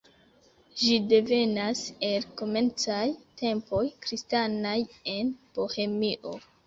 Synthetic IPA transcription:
ʒide̞ve̞nase̞lko̞me̞nt͡sajte̞mpo̞jkɾistanaje̞npo̞he̞miʔo̞

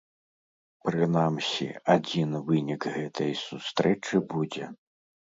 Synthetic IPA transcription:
pɾɨnamsʲḭad͡zʲinvɨnʲikɣɛt̪ʰɐjsust̪ɾɛt͡ʂɨbud͡zʲɛ

